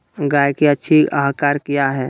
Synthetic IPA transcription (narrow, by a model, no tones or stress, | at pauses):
ɡaːjkiətːʃʰiəɦkaːɾkijaɦɛː